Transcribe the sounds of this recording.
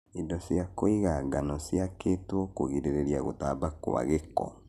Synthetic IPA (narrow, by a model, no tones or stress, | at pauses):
indɔsjakoiɣaɡanɔsjaketwɔkoɣiɾeɾeɾijaɣo̰tabako̰wa̰ɣekɔ̰